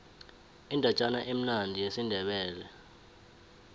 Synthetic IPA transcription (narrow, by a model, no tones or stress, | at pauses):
indʱat͡ʃʼanaʔem̩nandʱijesindʱɛɓɛːlɛ